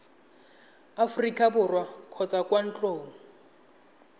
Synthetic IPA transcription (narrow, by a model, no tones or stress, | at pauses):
afʊrikʼabʊrwakʰɔt͡sʼakwan̩t͡ɬʼoːŋ̩